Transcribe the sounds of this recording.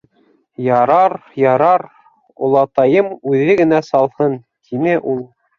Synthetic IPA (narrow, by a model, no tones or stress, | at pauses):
jɑɾɑɾjɑɾɑɾ | ŏlˠɑt̪ɑjɤmʉðɘɡɘ̆næsɑlˠhɤn | t̪ʰinɘʔulˠ